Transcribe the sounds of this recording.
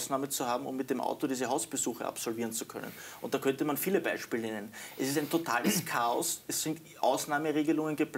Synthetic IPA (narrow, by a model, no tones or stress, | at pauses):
snaːmət͡suhaːbm̩ʊ̰mːɪt̚d̥emʔa̰ʊtodiːzəɦaʊsb̥əzuːxə̰ʔa̰psɔlviːʁənt͡sukʰœ̰nə̰nʊ̰̃nt̚d̥aːkʰœntəmanfiːləbaɪʃpiːlənɛnənʔɛsɪstæɪntʰotʰaːləskʰaːɔ̰sɛsːɪnt | ʔa̰ʊsnaːməʁeːɡəlʊŋənɡəpl